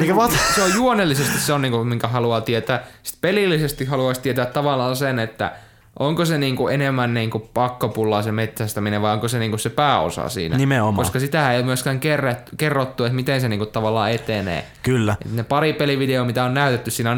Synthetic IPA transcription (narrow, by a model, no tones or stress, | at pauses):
eikʋɑt̪seojjuonelːisest̪isseonniːŋkumiŋkæhɑluɑt̪iet̪æːsi̥t̪pelilːisest̪ihhɑluɑist̪iet̪æt̪ːɑʋɑlːˑɑːnsenet̪ːæ̰ | ʔoŋkoseniːŋkuʔenemːænniːŋkupɑkːopulːɑːsemet̪sæst̪æmineʋʋɑioŋkoseniːŋkussepæːo̰sɑ̰sḭːnænimeomkoskɑsit̪æhæeijomyøskæːŋkerːæt̪kerːot̪ːuet̪mit̪enseniːŋkut̪t̪ɑʋɑlːˑɑ̰ːet̪enḛː | kylːæḛt̪nepɑripeliʋideomit̪æonnæyt̪et̪ːyssiːnæon